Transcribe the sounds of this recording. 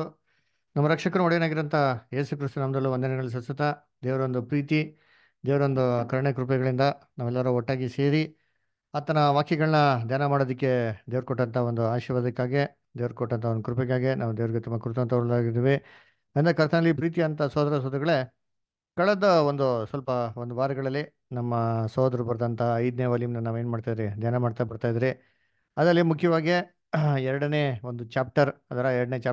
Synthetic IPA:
nɐmːɐɾɐkʂɐkɐnuɔɽɛjnaːɡiɾɐnt̪ʰɐje̞ːsukɾist̪unɐmɐd̪ɐlːuʋɐnd̪ɐnɛɡɐɭːis̬ɐsɐt̪ɐ | d̪eːʋɐɾond̪upɾiːt̪i | d̪eːʋɐɾond̪ukɐɾɐɳekɾup̬ɛɡɐɭind̪ɐnaːʋɛlːɐɾuɔʈːaːɡise̞ːɾi | ɐːt̪ɐnɐʋaːkjɛɡɐɭɐnɐd̪jaːnɐmaːɽod̪ikːe̞d̪eːʋɐɾkɔʈːɐnt̪ʰɐond̪uaːʃiʋaːd̪ɐkːaːɡe | d̪eːʋɐɾkɔʈːɐnt̪ʰɐond̪ukɾupɛɡaːɡenʔaːʋud̪eːʋɐɾiɡet̪umːɐkɾut̪ɐʋɐnt̪ɐʋɐlaːɡiɾd̪iːʋi | ɐnd̪ɐkɐɾt̪ʰɐnɐlːipɾiːt̪̬iɐnt̪ɐsoːd̪ɐɾɐsɔːd̪ɾuɡɐɭe | kɐɭɐd̪ɐond̪usʋɐlpɐond̪uʋaːɾɐɡɐɭɐlːi | nɐmːɐsɔːd̪ɐɾubɐɾd̪ɐnt̪ʰɐɐjd̪neːʋɐːlimnːɐnaːʋe̞ːnmaːɖt̪aːjd̪iɾid̪ʱjaːnɐmaːɖt̪abɐɽt̪aːjd̪iɾi | ɐd̪ɾɐlːimukʰjɐʋaːɡi | ɛɾɐɽɐneːond̪ut͡ʃaːp̚ʈɐɾɐd̪ɐɾaːɛɾɐɖɐneːt͡ʃaː

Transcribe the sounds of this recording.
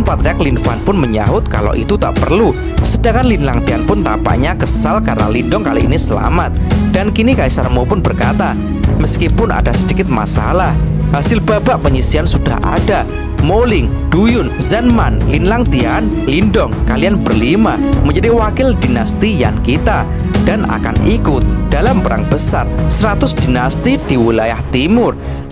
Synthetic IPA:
npat̪ɾeaklinfanpʊnməɲa̰ɦʊt̪̚ka̰lo̰ʔḭt̪ut̪a̰ʔpərlu | sədaŋanlinlaŋt̪ianpʊnt̪apa̰ʔɲakəsalkarna̰lindɔŋkalḭḭnisəla̰mat̪̚d̥ankinikaisarmopʊnbərkat̪a | məskipʊna̰dasədikɪt̪̚ma̰sa̰lah | ɦasɪlbabaʔpəɲisiansuda̰hʔa̰da | molɪŋd̥ujʊnzənmanlinlaŋt̪ianlindɔŋkalianbərlimaməɲd͡ʒadiwakɪldinast̪ijankit̪a | d̥ana̰ka̰nikʊt̪̚d̥alampəɾa̰ŋbəsarsəɾat̪ʊsd̥inast̪id̥iwilajaht̪imʊr

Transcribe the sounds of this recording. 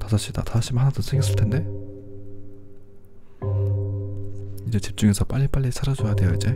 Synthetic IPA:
tasʰaɕ͈ida̰tasʰaɕ͈imhanadosʰeŋɡjʌs͈ɯɭtʰe̞nde̞ | id͡ʑe̞t͡ɕip̚t͡ɕ͈uŋe̞sʰʌp͈aʎːip͈aʎːisʰaɾad͡ʑojade̞joid͡ʑe̞

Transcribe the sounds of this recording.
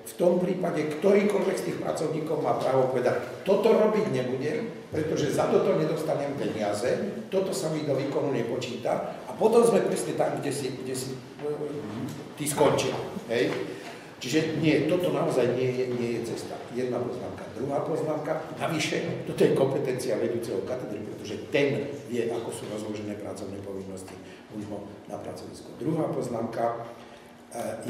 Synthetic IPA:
ft̪ɔmpɾiːpaɟɛkt̪ɔɾiːkɔʎʋɛkst̪iːxpɾa̰t͡sɔʊɲiːkɔʊmaːpɾaːʋɔpɔʋɛd̪act̪ɔt̪ɔɾɔbiɟɲɛbuɟɛm | pɾɛt̪ɔʒɛzat̪ɔt̪ɔɲɛd̪ɔst̪aɲɛmpɛɲɪazɛt̪ɔt̪ɔsamid̪ɔʋiːkɔnuɲɛpɔt͡ʃiːt̪a̰apɔt̪ɔmzmɛpɾɛsɲɛt̪amɡɟɛsiɡɟɛsi | p | t̪iskɔnt͡ʃɪa̰ɦɛj | t͡ʃiʒɛɲɪɛt̪ɔt̪ɔnaɔzajɲɪɛjɛɲɪɛjɛt͡sɛst̪a̰jɛd̪napɔzna̰ːmkad̪ɾuɦaːpɔznaːmkanaʋiʃɛt̪ɔt̪ɔjɛkɔmpɛt̪ɛnt͡siaʋɛd̪uːt͡sɛɦɔkat̪ɛd̪ɾipɾɛt̪ɔʒɛt̪ɛnjjɛʔakɔsuːɾɔzlɔʒɛnɛːpɾa̰t͡sɔʊnɛːpɔʋinːɔsci | unɦɔna̰pɾa̰t͡sɔʋḭskud̪ɾuɦaːpɔznaːmka

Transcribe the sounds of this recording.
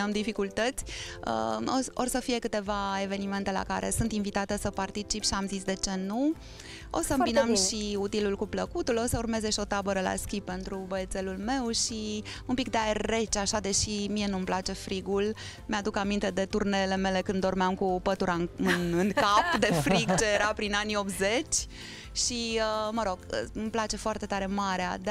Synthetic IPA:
əmd̪ifikult̪ət̪sʲə̰oo̞̰rsəfije̞kɨt̪e̞vae̞ve̞nime̞nt̪e̞la̰kaɾʔe̞̰sunt̪invit̪at̪e̞səpart̪it͡ʃipʃiamzisd̪e̞t͡ʃe̞nu | o̞̰səɨmbinəmʃiut̪ilulkupləkut̪ulo̞səurme̞zeʃio̞t̪abəɾəla̰skʲipːe̞nt̪ɾubəet̪se̞lulme̞wʃi | umpikd̪eae̞rːe̞t͡ʃaʃad̪e̞ʃimie̞numplat͡ʃe̞fɾiɡul | mead̪ukamint̪e̞d̪e̞t̪urneːle̞me̞le̞kɨnd̪ːo̞rmeamkupət̪uɾaɨnɨŋkapd̪e̞fɾiɡt͡ʃe̞jeɾapɾinanio̞pze̞t͡ʃʲ | ʃiəməɾo̞ɡ̥mplat͡ʃe̞foart̪e̞t̪aɾe̞maɾea̰d̪

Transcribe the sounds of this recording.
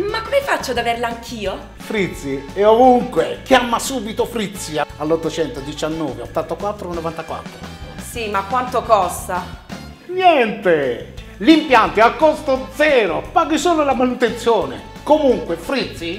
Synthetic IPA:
makːomɪfat͡ʃːod̪aveɾlaaŋkʰiːo | fɾit̪sːieovuŋkwek̟jamːasuːbit̪ofɾit̪siaalːot̪ːot͡ʃɛnt̪od̪it͡ʃanːɔːveot̪ːant̪akwat̪ːɾoanːɔvant̪akwa̰t̪ːɾosimakːwant̪okɔst̪a | ɲjɛnt̪e | limpjant̪ialkːɔst̪od̪zɛːɾopaːɡisuːlolamanut̪ent̪sjɔːnḛ | komuŋkwefɾit̪si

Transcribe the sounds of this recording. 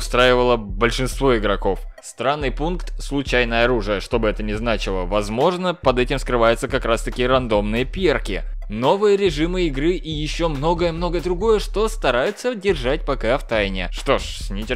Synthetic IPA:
ʊst̪ɾajɪvəlˠəbəlʲʂɨnst̪vo̞ɪɡɾɐko̞fst̪ɾanːɨjpunkt̪slˠʊt͡ɕæjnəjəɐɾuʐɨjəʂt̪o̞bɨɛt̪ənʲɪznat͡ɕɪlˠəvɐzmo̞ʐnəpɐd̪ɛtʲɪmskɾɨvajʊt̪səkɐkɾast̪ɐkʲijəɾɐnd̪o̞mnɨjəpʲerkʲɪ̰ | no̞vɨjəɾʲɪʐɨmɨɪɡɾɨʔijɪɕːo̞mno̞ɡəjəmno̞ɡəd̪ɾʊɡo̞jəʂt̪o̞st̪ɐɾajʊt̪sədʲɪrʐat̚ʲpɐkaft̪ajnʲɪʂt̪o̞ʂsʲnʲɪtʲ

